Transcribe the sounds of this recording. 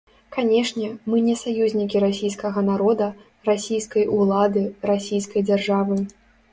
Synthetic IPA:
kanʲɛʂnʲɛmɨnʲɛsajuzʲnʲikʲiɾasʲijskɐɣɐnaɾɔd̪ɐ | rasʲijskɐjʔulˠad̪ɨɾasʲijskɐjd͡zʲarʐavɨ

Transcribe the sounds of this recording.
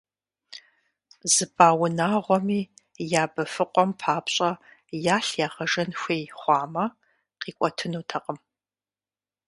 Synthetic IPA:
zɨbaːwʊnaːʁʷɔmiː | jaːbɐfɨqʷʼɔmpʰaːpɕʼɐjaːɬjaːʁɐʒɐnxʷejχʷɑːmɐ | qiːkʷʼɔtʰɨnuːtʰɐqʼəm

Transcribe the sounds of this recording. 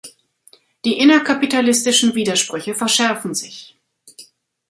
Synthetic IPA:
d̥iːʔɪnɐkʰapitalɪstɪʃn̩viːdɐʃpʁ̥ʏçəfɛɐʃɛɐfn̩zɪç

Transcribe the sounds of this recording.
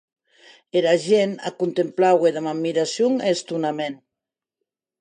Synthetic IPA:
eɾaʒena̰kunt̪emplaweðamammːiɾasjuŋest̪unamen

